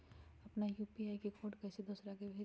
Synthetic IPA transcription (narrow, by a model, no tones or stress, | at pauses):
ɐpnajuːpiaːikekʰoːʈkɛːsed̪oːsɾakebʱeː